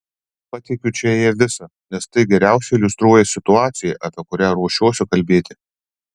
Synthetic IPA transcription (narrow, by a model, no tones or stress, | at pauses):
pɐt̪ʲɪkʲʊt͡ʃʲɛjɪɾʋʲɪsɐ | nʲɛst̪ɐɪɡʲɛɾʲæˑʊsʲɛɪlʲʊst̪ɾuɔjɛsʲɪt̪ʊɑːt̪sʲɪjɛʔɐpʲiɛkʊɾʲæːɾuɔʃʲuɔsʲʊkɐlʲbʲeːt̪ʲɪ